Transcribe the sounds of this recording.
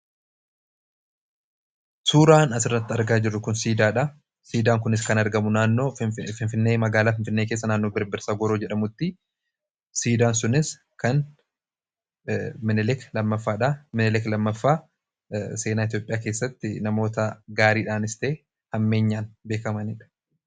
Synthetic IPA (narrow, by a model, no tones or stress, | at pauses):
suːɾaːnɐsɪrːɐt̪ːɪɐɾɡaːd͡ʒɪrːʊkʊnsiːd̪aːᶑɐ | siːd̪aːŋkʊnɪskɐnɐɾɡɐmʊnaːnːo̞ːfɪnfɪnːe̞ːmɐɡaːlaːfɪnfɪnːeːkeːsːɐnaːnːo̞ːbɪɾbɪɾsaːɡɔɾoːd͡ʒɛᶑɐmʊt̪ːɪ | siːd̪aːnsʊnɪs | kɐn | mɪnɛlɛklɐmːɐfːaːᶑɐmɪnɛlɛklɐmːɐfːaː | se̞ːnaːɪt̪ijo̞ːpʼɪjaːke̞ːsːɐt̪ːɪnɐmo̞ːt̪ɐɡaːɾiːᶑaːnɪst̪e̞ː | hɐmːe̞ːɲːaːnbe̞ːkɐmɐniːᶑɐ̥